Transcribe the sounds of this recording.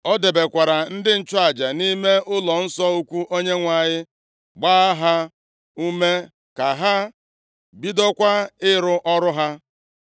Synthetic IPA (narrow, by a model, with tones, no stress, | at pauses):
ɔ˦de˨be˨kʷa˨ɾa˨n̩˦dɪ˦n̩˦t͡ʃʊ˦a˨d͡ʒa˨ni˦me˦ʔʊ˦lɔ˨n̩˦sɔ˦u˦kʷu˦ʔo˦ɲe˦ŋʷa˨ɲɪ˦ | ɡ͡baː˦a˦ɦa˦ | u˦me˦ | ka˨ɦa˦ | bi˦dɔ˦kʷa˦ɪ˦ɾʊ˦ʔɔ˦ɾʊ˦ɦa˦